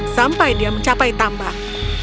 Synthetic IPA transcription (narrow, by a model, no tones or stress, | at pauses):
sampadimat͡ɕapajt̪amba